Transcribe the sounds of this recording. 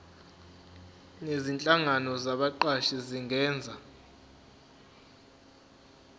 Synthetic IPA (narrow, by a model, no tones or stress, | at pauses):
nezint͡ɬʼaŋanɔzaɓaǃaʃiziŋʱɛːnd͡zʱa